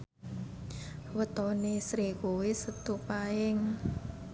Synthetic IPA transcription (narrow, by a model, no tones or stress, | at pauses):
wət̪ɔnesɾikuwisət̪upaɪŋ